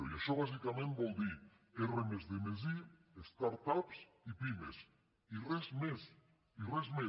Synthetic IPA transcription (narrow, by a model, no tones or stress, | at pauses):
ojaʃoβas̬ikamẽnt̪̚bold̪i | eremezðemez̬i | est̪aɾt̪aps | ipimḛs | irezmes | irezme